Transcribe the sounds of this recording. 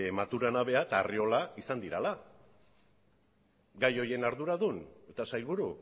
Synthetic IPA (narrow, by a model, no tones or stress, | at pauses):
emat̪uɾanaβ̞e̞at̪aːrio̞laisand̪iɾala | ɡajo̞je̞naɾðuɾaðune̞t̪asajlβuɾu